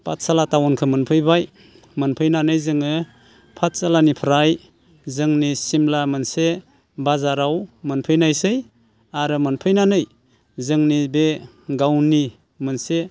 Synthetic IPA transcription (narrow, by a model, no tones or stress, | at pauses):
pʰat̚salatawɔnkʰɯmɯnpʰɯjbaj | mɯnpʰɯjnanɯjzɯŋɯ | pʰat̚salanipʰɾaj | zɯŋnisimlamɯnse | bazaɾawmɯnpʰɯjnajsɯj | aɾɯmɯnpʰɯjnanɯj | zɯŋnibe | ɡawni | mɯnse